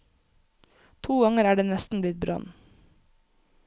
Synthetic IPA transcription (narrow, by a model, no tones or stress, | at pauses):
t̪ʰuːɡɑŋəɾæːɖeːnɛst̪n̩blɪt̪̚bɾɑ̰n